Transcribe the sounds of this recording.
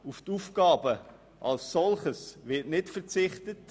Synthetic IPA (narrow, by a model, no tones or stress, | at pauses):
uftufɡ̥ɑːbə | ʔɑlssɔlχəsʋɪtnɪtfəʁt͡sɪχtət